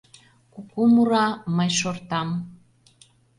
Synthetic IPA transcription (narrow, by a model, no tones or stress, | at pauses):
kukumuɾɑməjʃort̪ɑm